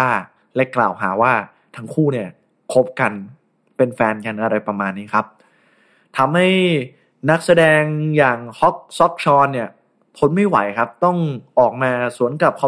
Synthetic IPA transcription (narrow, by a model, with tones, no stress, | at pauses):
aː˥˩ | lɛ˦˥kla̰ː˨˩wɦa̰ː˩˦waː˥˩ | t̪ʰa˦˥ŋkʰuː˥˩ni˥˩ɐ | kʰo˦˥p̚ka˧n | pe˧nfɛː˧nka˧nʔa˧ɾa˧jpɾa˧maː˧nːiː˦˥kʰa˦˥p̚ | t̪ʰa˧mha˥˩j | na˦˥k̚sa˧dɛː˧ŋjaː˨˩ŋhɔ˦˥k̚sɔ˦˥k̚t͡ɕʰɔː˧nːi˥˩ɐ | pʰo˦˥nma˥˩jwa̰˩˦jkʰa˦˥p̚t̪ɔ˥˩ŋʔɔː˨˩k̚maː˧su˩˦ənka˨˩p̚kʰɔ˨˩